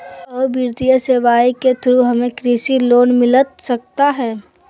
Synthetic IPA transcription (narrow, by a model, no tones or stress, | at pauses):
ɔːɾbiːɾt̪ijəseʋaːiket̪ʰɾuɦɐmẽkɾiːsiloːnmɪlət̪sɐk̚t̪aɦɛː